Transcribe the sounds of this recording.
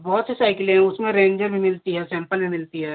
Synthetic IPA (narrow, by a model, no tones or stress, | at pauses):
bɔɦʊt̪sesaːɪkɪlɦɛ̃ʊsmẽɾẽːɲd͡ʒəɾbʱimɪlt̪iɦɛsɛ̃ːmpəlmẽmɪlt̪iɦɛː